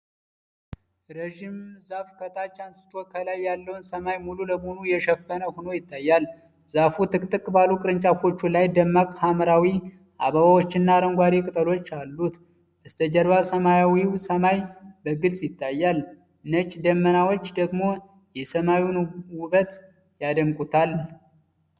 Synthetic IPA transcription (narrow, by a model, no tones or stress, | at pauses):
ɾəʒimzafkʰət̪ʰat͡ʃːansɨ̥t̪ʰokʰəlajːalːəwnsəmajmululəmonujɛʃəfːənəhono̞jɪt̪ʰːajːal | zafut̪ʰɨkʼt̪ʼɨkʼbalukʼɨɾɨnt͡ʃʼafo̞t͡ʃːulajd̪əmːakʼhaməɾawi | ʔa̰βaβawot͡ʃːɪnːaɾəŋɡʷaɾikʼɨt̪ʼəlo̞t͡ʃːalːut̪ | bəst̪ʰəd͡ʒəɾβasəmajawiwsəmajbəɡɨt͡sʼjɪt̪ʰːajːal | nət͡ʃʼːd̪əmːənawot͡ʃːd̪əɡmo̞ | jɛsəmajunwʊβət̪ | jad̪əmkʼut̪ʰal